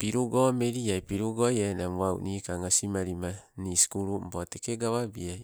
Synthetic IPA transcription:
piɾuɡo̞meɾiajpiɾuɡojaenamaw̰niːkaŋasimaɾima | niskuɾumbotekeɡaβabiaj

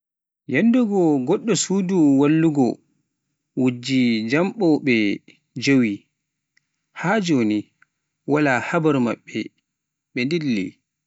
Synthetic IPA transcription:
jɛndɔɡɔɡɔɗːɔsuːduwalːuɡɔ̰ | wud͡ʒːid͡ʒamɓɔɓɛ | d͡ʒowi | haːd͡ʒoni | walahabaɾmaɓːɛ | ɓɛndilːḭ

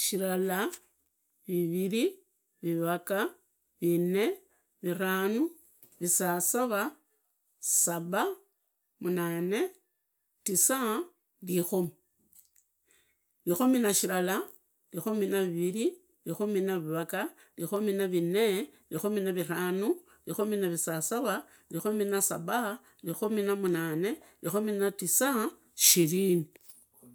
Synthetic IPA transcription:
ʃiɾala | βiβiɾi | βiβaka | βine | βiraːnu | βisasaβa | saβa | munane | tisa | lixomi | lixominaʃilala | lixominaβiβili | lixominaβiβaka | lixominaβinelixominaβiɾanu | lixominaβisasaβa | lixominasaβa | lixominamunane̞lixominatisa | ʃilini

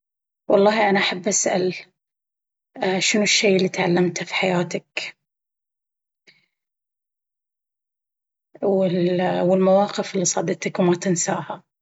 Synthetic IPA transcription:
wʔɑlˤːɑːhʔanaʔaħabːʔasʔa̰l | ʃɪnʊʃːeːʔɪlːiːt̪ʕalːamt̪fi̥ħajaːt̪ak | wɪwɪlmawɑːqɪfɪlːisˤɑ̰ːd̪ɪt̪akwmat̪ɪnsaːha

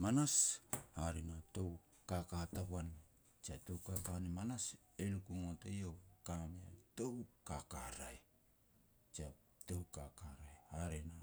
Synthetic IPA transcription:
manashaɾenato̞w | kakatapuan | t͡ʃiato̞wkakanemanas | elukuŋotejokameato̞wkakaɾaj | t͡ʃia | to̞wkakaɾajhaɾena

